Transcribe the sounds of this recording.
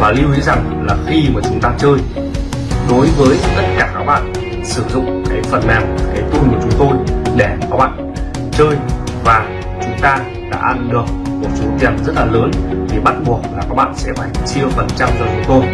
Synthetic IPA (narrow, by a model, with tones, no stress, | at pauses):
vaː˨˩li˧wʔi˨˧˥za˨˩ŋ | laː˨˩xi˧maː˨˩t͡ɕʊ˨˦ŋ͡mt̪aː˧t͡ɕəː˧j | ɗo˨˦jvəː˨˦jt̪ə˦˥t̚kaː˧˩kaː˦˥k̚ɓa̰ː˧˨n | sɨ˧˩zʊ̰˧˨ŋ͡mkaː˨˦jfə˨˩nmaː˨˩wkaː˨˦jt̪u˧nku˧˨˩ət͡ɕʊ˨˦ŋ͡mt̪o˧jɗɛ˧˩kɔ˨˦˥ɓa̰ː˧˨n | t͡ɕəː˧jvaː˨˩ | t͡ɕʊ˨˦ŋ͡mt̪aː˧ | la̰ː˧˩ʔa˧nlɨ˨˩ək̚mo˨˩t̚so˨˦t̪i˨˩ənzə˦˥t̚laː˨˩ləː˨˦nt̪ʰi˨˩ɓa˦˥t̚ɓu˨˩ək̚laː˨˩kaː˦˥k̚ɓa̰ː˧˨nsɛ̰˧˥ɓa˧˩jŋt͡ɕi˧əwfə˨˩nt͡ɕa˧mzəː˨˩t͡ɕʊ˨˦ŋ͡mt̪o˧j